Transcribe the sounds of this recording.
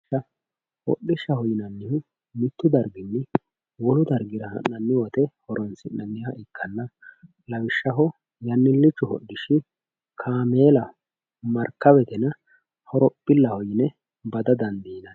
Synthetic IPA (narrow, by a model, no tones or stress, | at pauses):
ɐ | hɔ̰ɗɪʃːɐhɔjɪnɐnːɪhʊ | mɪt̪ːʊd̪ɐɾɡɪnːɪ | wɔlʊd̪ɐɾɡɪɾɐhɐ̰nːɐnːɪwɔt̪ɛhɔɾɔnsɪnnɐnːɪhɐʔɪkːɐnːɐ | lɐwɪʃːɐɦɔ | jɐnːɪlːɪt͡ʃːʊhɔ̰ɗːɪʃɪ | kʰaːme̞ːlɐ | mɐɾkːɐbɛt̪ɛnɐ | hɔɾɔpʼːɪlːɐhɔjɪnɛ | bɐd̪ɐd̪ɐnd̪iːnɐn